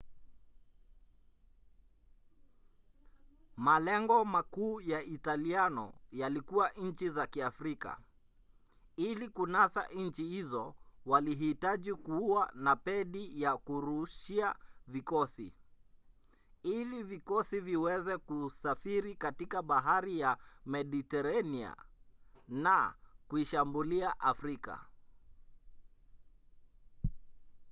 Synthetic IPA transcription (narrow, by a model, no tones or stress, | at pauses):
malɛŋɡɔmakuːjaʔitalianɔ̰jalikuwaʔɲ̩t͡ʃizakiafɾika̰ | ilikunasa̰ʔnɲ̩t͡ʃihizɔwaliɦitaʄikuuwanapɛɗijakuɾuʃiavikɔsi | ilivikɔsiviwɛzɛkusafiɾikatikaɓaɦaɾijamɛɗitɛɾania̰ | nakuiʃambuliaʔafɾika̰